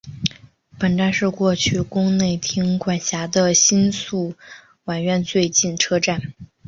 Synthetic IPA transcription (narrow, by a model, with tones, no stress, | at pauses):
pə˨˩nt̪a˥˧nʂɻ̩˥˧kwɔ˥˧t͡ɕʰy˥˩kʊ˥ŋne˥˩ɪt̪ʰi˧˥ŋkwa˨˩nɕja˧˥d̪ə˧ɕi˥nsu˥˩ | wa˨˩nɥɛ˥˧˥nt͡swe˥˧ɪt͡ɕi˥˩nʈ͡ʂʰɤ˥ʈ͡ʂa˥˩n